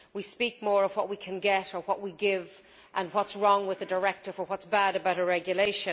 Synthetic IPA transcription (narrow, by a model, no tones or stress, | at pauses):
wispik̚mɔːɹʌv̥wʌʔ̚wikʰɨ̃nɡɛɾə˞wʌʔ̚wiɡɪv | ʔə̃nwʌtsɹɔ̃ŋwɪðədə˞ɛk̚tɪvə˞wʌtsb̥aɾəbaʊɾəɹɛɡjɨleɪʃɨ̃